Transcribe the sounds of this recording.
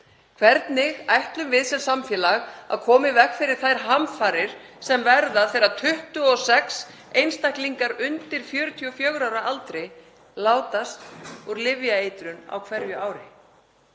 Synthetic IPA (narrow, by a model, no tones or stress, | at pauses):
kʰvɛɾt̪nɪɣajht̪lʏmvɪðsɛlsamfjɛːlaɣa̰ðkʰɔːmɪvɛkfɪɾɪɾ̥θajɾ̥ɦamfaɾɪɾ̥ | sɛmvɛɾðaθejɾat̪ʰʏht̪ʏɔsɛks | ejnst̪ahkliŋkaɾʏnt̪ɪɾ̥fjœːɾʏt̪ʰiɔfjœɣɾawɾaʔalt̪ɾɪ | laːwt̪ast̪ɔɾlɪvjaejt̪ɾʏna̰wkʰvɛɾjʏʔaːwɾɪ